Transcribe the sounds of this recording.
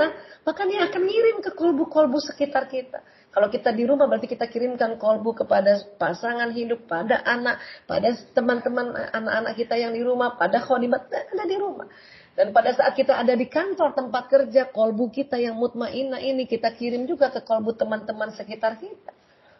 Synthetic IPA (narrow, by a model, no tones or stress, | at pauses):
amakaɲaakanhiɾɪmkəkɔlbukɔlbusəkit̪arkit̪a̰ | kalokit̪adiɾumahbəɾart̪ikit̪akiɾɪmkankɔlbukəpadapasaŋanɦidʊk̚padaʔanaʔ̚pa̰dat̪əmant̪əmana̰naʔanaʔkit̪ajaŋdiɾumahpadaxɔdimat̪̚daadadiɾuma̰h | d̥anpadasaʔat̪̚kit̪aʔːdadikant̪ɔrt̪əmpat̪̚kərd͡ʒakɔlbukit̪ajaŋmut̪̚maʔinaʔinikit̪akiɾɪmd͡ʒuɡakəkɔlbut̪əmant̪əmansəkit̪arkit̪ḁ